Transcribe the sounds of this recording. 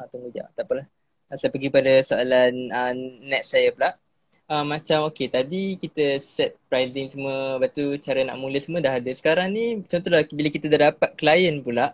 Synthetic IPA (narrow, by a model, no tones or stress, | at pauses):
at̪uŋɡud͡ʒa̰t̪apəlah | sajpəɡipadəsoalanənːɛt̪̚sajəpulaʔ | əmːãt͡ʃamoket̪adikit̪əsɛt̪̚pɾajzɪŋsəmuəbat̪ut͡ʃaɾəna̰ʔmũləsəmũədaɦadəsə̥kaɾaŋnit͡ʃɔnt̪ɔɦlabiləkit̪ədadapat̪̚kəlajənpulaʔ